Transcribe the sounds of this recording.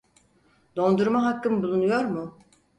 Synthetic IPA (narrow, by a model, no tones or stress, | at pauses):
d̪o̞nd̪uɾmaɦakːɯmbulˠunujo̞ɾmʊ